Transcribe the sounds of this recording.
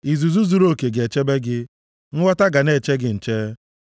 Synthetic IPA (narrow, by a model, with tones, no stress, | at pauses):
i˨zu˨zu˦zu˦ɾo˦˨ke˨ɡe˨t͡ʃe˦be˦ɡɪ˦ | ŋ̩˦wɔ˦ta˦ɡa˨ne˨t͡ʃe˦ɡɪ˨n̩˨t͡ʃe˦